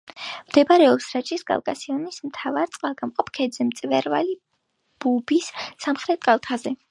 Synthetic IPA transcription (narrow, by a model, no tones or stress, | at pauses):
md̪̥ɛbaɾɛɔpsɾat͡ʃʰʼiskʼa̰lˠkʼa̰sianismt̪ʰavaɾt̪sʼqʼalˠɡamqʼɔpʰkʰɛd̪zɛmt̪sʼvɛɾva̰li | b̥ubisːamχɾɛt̪̚kʼalˠt̪ʰazɛ